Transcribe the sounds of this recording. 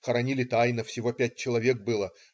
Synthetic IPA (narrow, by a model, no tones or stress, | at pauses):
xəɾɐnʲilʲɪt̪ajnəfsʲɪvo̞pʲæt̚ʲt͡ɕɪlˠɐvʲe̞k̚bɨlˠə